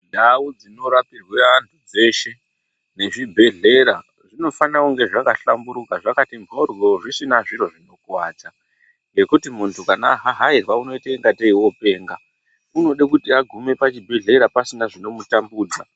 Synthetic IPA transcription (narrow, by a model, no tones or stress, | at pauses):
nʱawud͡zino̞ɾapirweantʰud͡ze̞ːʃe̞ | ne̞ʐibʱe̞ɮe̞ɾa | ʐino̞fanauŋɡe̞ʐakaɬambuɾukaʐakatimo̞rjo̞ʐisinaʐiɾo̞ʐino̞kwaːd͡za | ŋɡe̞kutimuntʰukana̰ɦaɦairwauno̞itaiŋɡateiwo̞pe̞ːŋɡa | uno̞ɗakutiaɡʱume̞pat͡ʃibʱe̞ɮe̞ɾapasinaʐino̞mutambuːd͡za